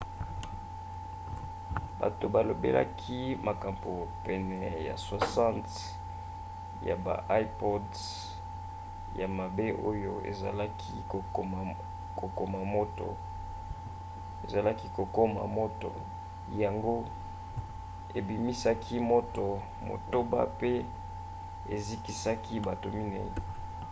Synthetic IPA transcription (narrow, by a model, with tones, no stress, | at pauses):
ba̰˨to˨ba˨lo˨bḛ˦la̰˦kʰi˦ma˨ka˨mbo˨pɛ˨nɛ˨ja̰˨so˨sã˦nt | ja̰˨ba̰˨ʔa˦i˦po˦d | ja˨ma˨be˦ʔo˦jo˦ḛ˨za˨la˦kʰi˦˨ | ko˨ko˦ma˨mo˦to̰˨ | e˨za˨la˦ki˦ko˨ko˦ma̰˨mo˦to̰˨ | ja˨ŋɡo˦ | e˨bi˨mi˦sa˦kʰi˦mo˦to˨ | mo̰˨to˦ba̰˦pe˦ | e˨zi˦ki˦sa˦kʰi˦ba˨to˨mi˦nḛ˨